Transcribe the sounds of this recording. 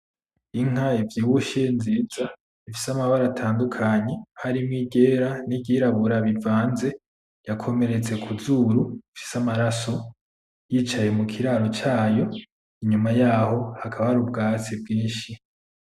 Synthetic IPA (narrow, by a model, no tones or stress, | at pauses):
iŋ̥aivjiːwuʃiːnziza | ifisamaβaɾatʰaːndukʰaɲe̞haɾimŋiɡe̞ːɾanibɟiːɾaβuɾaβivaːnze̞ | jakʰo̞me̞ɾe̞t͡se̞kʰuzuɾuifi̥samaɾaso̞ | jiːt͡ʃaje̞mukʰiɾaːɾo̞t͡ʃaːjo̞ | iɲumajaːho̞hakʰaβaɾub̚ɡaːt͡seb̚ɡiːnʃi